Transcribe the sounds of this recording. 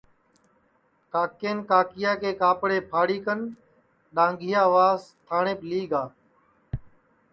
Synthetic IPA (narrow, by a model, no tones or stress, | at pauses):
kaːkeːnkaːkɪjaːkeːkaːpɽeːpʰaːɽiːkən | ɗãːŋɡʱɪjaːʋaːzt̪ʰaːɳeːpliːɡaː